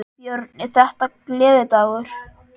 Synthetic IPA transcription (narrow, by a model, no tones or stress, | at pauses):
jœɾt̪̚nɪθɛht̪aklɛːðɪt̪aːɣʏɾ̥